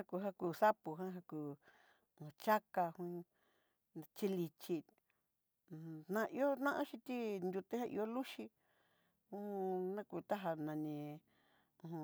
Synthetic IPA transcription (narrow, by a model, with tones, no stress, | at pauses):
ã˦ku˧ɦa˦kuː˧˨sa˦pu˨ɦã˦ɦa˧kũː˨˧ | ũ˧t͡ʃa˦ka˧hũ˦˧ | t͡ʃi˦li˧t͡ʃi˧ | nã˧ʔi˧o˦nã˦ʔã˦ʃĩ˧t̪i˦nd̪ʲu˧t̪e˦hã˦˧ʔḭ˧o˦lu˦ʃi˧ | ũ˦ũ˧nã˦ku˧˨t̪a˦ɦa˧nã˧nĩ˧ | ũ˧hũ˧